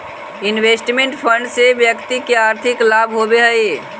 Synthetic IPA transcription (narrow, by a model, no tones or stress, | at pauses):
inwesʈmeɳʈpʰəɳɖsebjəkt̪ikeaɾt̪ʰiklabʱɦobeɦəj